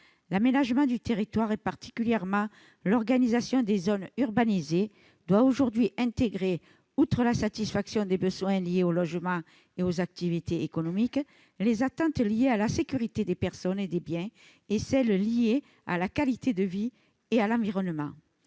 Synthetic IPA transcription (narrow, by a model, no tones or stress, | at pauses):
lamenaʒəmɑ̃d̪yt̪eʁit̪waʁepaʁt̪i̥kʲyljɛʁmɑ̃ | lɔʁɡanizasjɔ̃d̪ezɔnyʁbanize | d̪̥waoʒuʁd̪ɥiʔɛ̃t̪eɡʁe | ut̪χəlasat̪isfaksjɔ̃d̪ebəzwɛ̃lijeolɔʒəmɑ̃ | eozak̚t̪ivit̪ʰeekɔnɔmik | lezat̪ɑ̃t̪lijealasekʲyʁit̪ed̪epɛʁsɔned̪ebjɛ̃ | esɛllije | a̰lakalit̪ed̪əvi | ealɑ̃viʁɔnmɑ̰̃